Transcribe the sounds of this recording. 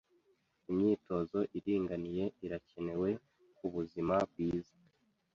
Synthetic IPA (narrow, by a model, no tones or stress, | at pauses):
imɲiːto̞zo̞ʔiɾiːŋɡanije̞iɾace̞ne̞we̞ | kuβuzimab̚ɡiːzḁ